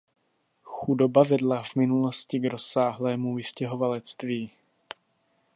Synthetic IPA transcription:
xudo̞bavɛdlavmɪnulo̞scɪɡɾo̞saːɦlɛːmuvɪscɛɦo̞valɛt͡st̪viː

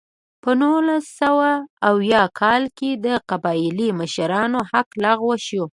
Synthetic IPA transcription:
pənulasːawaːwjɑkʰɑlked̪əqabɑliməʃaɾɑnohaklɑɣwaʃo

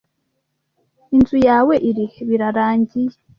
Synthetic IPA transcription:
inzujaːwe̞ʔiɾiheβiɾaɾaːɲɟije

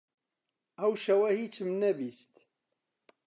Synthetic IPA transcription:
æwʃæwæhit͡sːmənːæbist̪

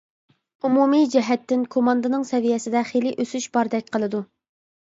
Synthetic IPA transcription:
umumid͡ʒɛɦɛt̪ːɪnkʰomɑnd̪ɨnɨŋsɛvijɛsɪd̪ɛχelɪʔøsyʃbɑɾd̪ɛk̚ʲqʰəlˠɨd̪u

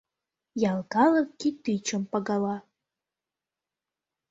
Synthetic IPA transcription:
jɑlˠkɑlɤkkit̪yt͡ɕə̆mpɑɣɑlɑ

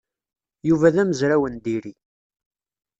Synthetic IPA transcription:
juvæðæməzɾæwənd̪iɾi

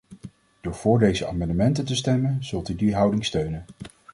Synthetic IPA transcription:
d̥ʊːɹv̥ʊːɹdejzəa̰ːmɑndəmɛntəntəstɛmənz̥ɵlˠtydiɦʌwdɪŋstøɥnən

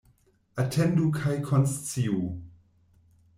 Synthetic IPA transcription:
atʰɛ̃ndukʰajkʰɔnst͡siu

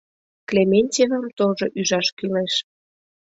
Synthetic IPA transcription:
klemenʲtʲevəmt̪oʒoʔyʒɑʃkyleʃ

